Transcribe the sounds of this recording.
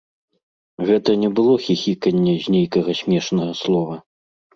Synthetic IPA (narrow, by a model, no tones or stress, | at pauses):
ɣɛt̪ɐnʲɛbɨlˠɔxʲixʲikɐnʲːɛzʲnʲejkɐɣɐsʲmʲɛʂnɐɣɐslˠɔvɐ